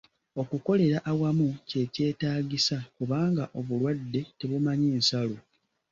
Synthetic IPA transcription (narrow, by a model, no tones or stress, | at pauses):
o̞kuko̞le̞ɾaʔːwamuce̞ce̞ːtaːɟisakuβaːŋɡaʔo̞βulwadːe̞te̞βumaɲiːnsalo